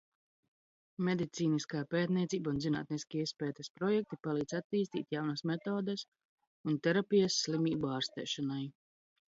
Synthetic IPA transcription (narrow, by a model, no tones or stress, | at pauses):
med̪it̪siːniskaːpeːt̪nʲiɛt̪siːbaunzina̰ːt̪niskʲiispɛːt̪ɛspɾɔjɛk̚t̪ipalˠiːd̪sat̪ːiːst̪ḭːt̪ʲjawnasmɛt̪oːd̪əs | unt̪ɛɾapijəsːlimiːbaːɾst̪ɛ̰ːʃanaj